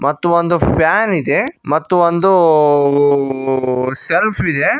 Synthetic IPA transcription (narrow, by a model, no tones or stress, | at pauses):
mɐt̪ːuʋond̪upʰjaːnid̪emɐt̪ːuʋond̪u | selpʰid̪e